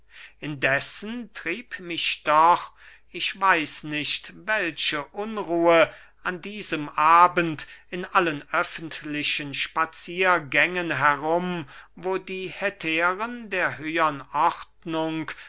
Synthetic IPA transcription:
ʔɪndɛsəntʁ̥iːpmɪʃd̥ɔχ | ʔɪçv̥aɪsnɪʃtvɛlʃəʔʊnʁuːə | ʔandiːzəmʔaːbəntɪnʔalənʔœfən̩tʰlɪʃənʃpat͡siːɐɡɛŋənɦɛʁʊmvoːdiːhɛtʰeːʁəndeːɐhøːəənʔɔʁtnʊŋk

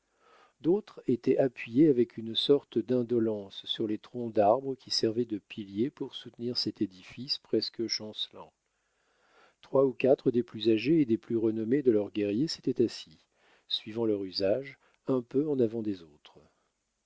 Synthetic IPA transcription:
d̪ot̪χet̪ɛʔapɥijeavɛkʰynsɔʁt̪d̪ɛ̃d̪ɔlɑ̃sːyʁlet̪χɔ̃d̪aʁbʁəkʲisɛʁvɛd̪əpʰiljepuʁsut̪niʁsɛt̪ed̪ifispχɛskəʃɑ̃slɑ̰̃ | t̪χwaukat̪χəd̪eplyzaʒeːd̪eplyʁənɔmed̪əlœʁɡɛʁjese̥t̪ɛt̪asi | sɥivɑ̃lœʁyzaʒ | ɛ̃pøɑ̃navɑ̃d̪ezot̪χ

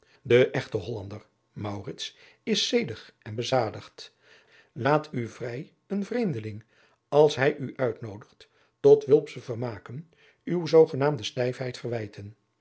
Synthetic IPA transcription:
dəʔɛχtəɦɔlɑndər | mɑwrɪts | ɪsejdəχɛnbəzaːdəχt | laːtʰyvrɛj | ənvrejmdəlɪŋ | ɑlˠsɦɛjʔyʔœɥtnowdəχt | tɔtʋɪlˠpsəvərmaːkən | ywzowχənaːmdəstɛjfɦɛjtfərʋɛjtʰən

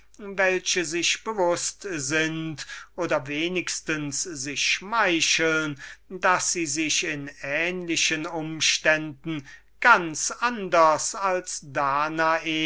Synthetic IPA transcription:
vɛlʃəzɪʃb̥əvʊstzɪntʔoːdɐveːnɪkstənszɪʃːmaɪʃlndasz̥iːzɪʃɪnɛːnlɪʃənʊmʃtɛndn̩ | ɡ̥ant͡sʔandɐsalsd̥aːnaeː

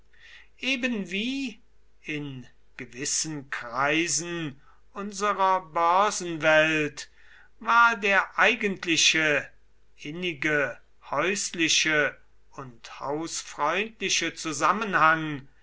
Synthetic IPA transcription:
ʔeːbənviː | ɪn | ɡ̥əvɪsən̩kʁ̥aɪzn̩ | ʔʊnzəʁɐbœɐzn̩vɛlt | vaːɐdeːɐʔaɪɡəntlɪʃə | ʔɪnɪɡə | hɔʏslɪʃə | ʊntha̰ʊsfʁ̥ɔʏntlɪʃət͡suzamənhaŋ

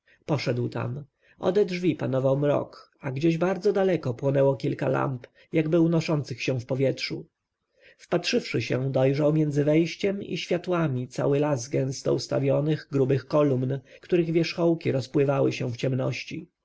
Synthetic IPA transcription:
pɔʂɛd̪wt̪a̰m | ʔɔ̰d̪ɛdʐvʲipanɔvawmɾɔ̰k | aɡd͡ʑeʑbaɾd̪zɔd̪alɛkɔpwɔnɛwɔkʲilka̰la̰mp | jaɡbɘunɔʂɔnt̪sɘxɕɛ̃fpɔvʲjɛtʂṵ | fpatʂɘfʂɘɕɛd̪ɔjʐawmʲjɛnd̪zɘvɛjɕt͡ɕɛmḭɕfʲjat̪wamʲit̪sa̰wɘlazɡɛ̃ñst̪ɔ̰ust̪a̰vʲjɔnɘɣɡɾubɘxkɔlumnkt̪uɾɘɣvʲjɛʂxɔwkʲiɾɔspwɘvawɘɕɛft͡ɕɛmnɔɕt͡ɕḭ

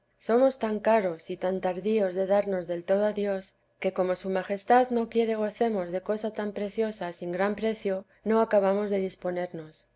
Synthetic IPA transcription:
so̞mo̞st̪aŋkaɾo̞sit̪ant̪aɾðio̞zðe̞ðaɾno̞zðe̞lt̪o̞ð̞oaðjo̞s | ke̞ko̞mo̞sumaxe̞st̪aðno̞kje̞ɾe̞ɣ̞o̞θe̞mo̞zðe̞ko̞sat̪ampɾe̞θjo̞sasiŋɡɾampɾe̞θjo̞ | no̞akaβ̞amo̞zðe̞ðispo̞ne̞ɾno̞s

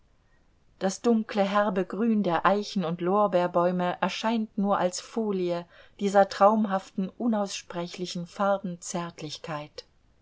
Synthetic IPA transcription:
d̥asd̥ʊŋkləɦɛɐbəɡʁyːndeːɐʔaɪçn̩ʊntloːɐbeːɐbɔʏməʔɛɐʃaɪntnuːɐʔalsfoːliəd̥iːzɐtʁ̥aʊmɦaftn̩ʔʊnaʊsʃpʁ̥ɛçlɪçn̩faɐbn̩t͡sɛɐtʰlɪçkʰaɪt

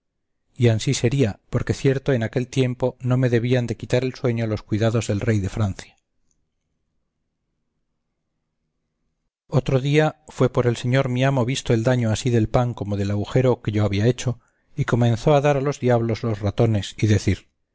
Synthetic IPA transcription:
iansise̞ɾiapo̞ɾke̞θje̞ɾt̪oe̞nake̞lt̪je̞mpo̞no̞me̞ðe̞β̞iand̪e̞kit̪aɾe̞lswe̞ɲolo̞skwiðaðo̞zðe̞lre̞jðe̞fɾanθja | o̞t̪ɾoðiafwe̞po̞ɾe̞lse̞ɲo̞ɾmiamo̞βist̪oe̞ld̪aɲoasiðe̞lpaŋko̞moð̞e̞laɣuxe̞ɾo̞ke̞ʝo̞aβiae̞t͡ʃo̞ | iko̞mẽ̞nθo̞aðaɾalo̞zðjaβlo̞zlo̞zrat̪o̞ne̞siðe̞θiɾ

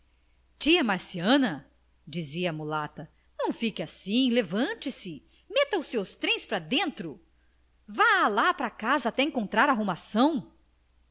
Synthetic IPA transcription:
t͡ʃiɐmaɾsiɐ̃nɐ | d͡ʒiziɐːmulat̪ɐ | nɐ̃w̃fikɪasĩlevɐ̃nt͡ʃɪsɪ | mɛt̪ɐʊsewst̪ɾẽj̃spɾɐd̪ẽnt̪ɾʊ | valapɾakazɐːt̪ɛẽŋkõnt̪ɾaɾaɦumasɐ̃w̃

